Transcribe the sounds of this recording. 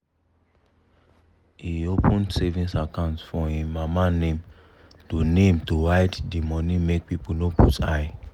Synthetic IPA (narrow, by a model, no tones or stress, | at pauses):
hiopũnsevĩnsakãʊ̃ntfɔĩmamanẽm | tonẽmtuɹaɪddimɔ̃nĩmek̚pipunoputʰa̰j